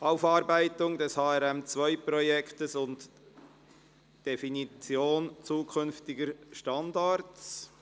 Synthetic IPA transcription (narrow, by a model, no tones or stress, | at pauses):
ʔaʊfɑːɾbæɪtʊŋdɛshɑːɛɾɛmt͡svœʏpɾɔjɛkʰtəsʊnt | d̥efinit͡sjoːnt͡suːkʰʏnftɪɡəɾʃtɑndɑɾts